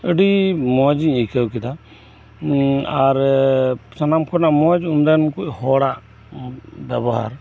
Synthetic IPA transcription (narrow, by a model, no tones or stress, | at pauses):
əɖimɔd͡ʒiɲikʰəwkid̪a | aɾ | sanamkʰɔnamɔd͡ʒumd̪ankuʔhɔɽaʔ | bɛbɔɦa̰ɾ